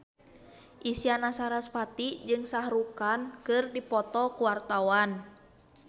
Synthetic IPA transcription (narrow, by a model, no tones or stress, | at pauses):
ʔisianasaɾaspat̪id͡ʒɨŋsaɦɾukankɨrdipɔt̪ɔkuwart̪awan